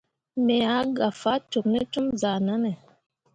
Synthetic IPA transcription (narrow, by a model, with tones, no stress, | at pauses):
mɛ˨a˨˦ɡa˨fa˦to˨k̚nɛ˦tu˦mza˨na˦nɛ˨